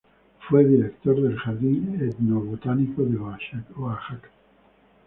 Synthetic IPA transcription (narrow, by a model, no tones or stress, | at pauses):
fwed̪iɾekt̪oɾd̪elxad̪ied̪noβot̪anikod̪eaʃaoaʃak